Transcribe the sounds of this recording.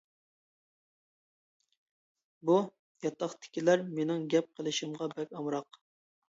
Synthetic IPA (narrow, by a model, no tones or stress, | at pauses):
bu | jɑt̪ʰːɑχt̪ʰɪ̥kʲilæɾmenɪŋɡʲɛp̚qʰəlˠɪʃimʁɑbɛkʲɑmɾɑq